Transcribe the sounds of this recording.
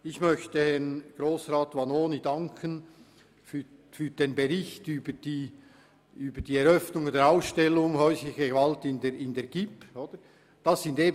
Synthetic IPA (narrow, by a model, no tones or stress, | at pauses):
ɪçmœçtəhɛʁnɡ̥ʁoːsʁaːtvɑnoːnidɑŋkʰən | fyfyːd̥eːnbeʁɪçtyːbəd̥iː | ʔyːbəd̥iːɛɾœfnʊŋdɛːɾaʊsʃtɛlːʊŋhœʏslɪçɡeɡvɑltɪndeɾɪndeːɐɡ̥ɪpoːd̥ə | d̥ɑsɪndeːb